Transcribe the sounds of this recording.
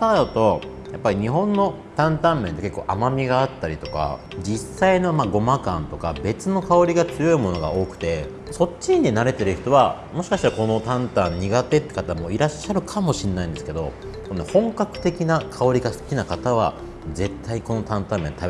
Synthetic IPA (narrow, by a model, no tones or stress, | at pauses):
ad̪at̪o̞ | japːaɾʲiɲ̟iɦõ̞nːo̞ | t̪ãnt̪ãmmːẽ̞nt̪e̞ke̞kːo̞ːʔamamʲiɡaːt̪ːaɾʲit̪o̞̥ka̰ | d͡ʑisaino̞maɡo̞makã̰nt̪o̞kabe̞t͡sɨno̞kao̞ɾʲiɡat͡sɨjo̞imo̞no̞ɡa̰o̞ːkɯ̟̥t̪e̞ | so̞t͡ɕːiɲ̟inaɾe̞t̪e̞ɾɯ̟çi̥t̪o̞βa | mo̞ɕi̥kaɕi̥t̪aɾako̞no̞t̪ãnt̪ãɲ̟ːiɡat̪e̞t̪ːe̥kat̪amo̞iɾaɕːaɾɯ̟kʰamo̞ɕĩnːaĩnd̪esɨ̥ke̞d̪o̞̰ | sonohõ̞ŋkakɯ̟̥t̪e̞kʲinakʰao̞ɾʲiɡasɨ̥kʲinakat̪aβ̞a̰ | ze̞t̪ʰːaɲiko̞no̞t̪ãnt̪ãmːẽ̞nt̪a